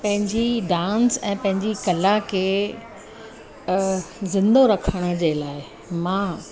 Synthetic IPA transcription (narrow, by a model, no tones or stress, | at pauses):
pɐ̃ɦɪ̃ɲd͡ʑiɖãːnsɛ̃ːpɐ̃ɦɪ̃ɲd͡ʑikɐlakʰeː | zɪ̃nd̪oɾɐkʰəɽ̃ə̆d͡ʑeːlaːɪ | mãː